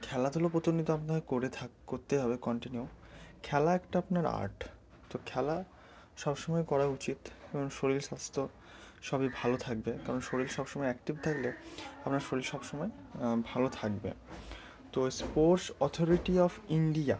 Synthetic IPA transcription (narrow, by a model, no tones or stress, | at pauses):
kʰɛlad̪ʱulopɾot̪onːit̪oapnakoɾet̪ʰakoɾt̪eɦɔbekɔɳʈiniukʰɛlaɛkʈaapnaɾa̰ɾʈ | t̪okʰɛla | ʃɔbʃɔmɔekɔɾaut͡ɕit̪eboŋʃoɾilʃast̪ʰo | ʃɔbibʱalot̪ʰak̚bekaɾonʃoɾilʃɔbʃɔmɔeɛkʈibt̪ʰakleapnaɾʃoɾilʃɔbʃɔmɔe | bʱalot̪ʰak̚bḛ | t̪ospoɾsɔt̪ʰoɾiʈiɔfiɳɖia̰